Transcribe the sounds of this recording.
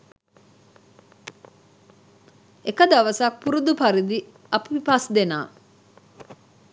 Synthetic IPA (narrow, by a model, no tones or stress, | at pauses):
ekəd̪aʋəsak̚puɾud̪upaɾid̪i | ɐpʋipasd̪ena̰ː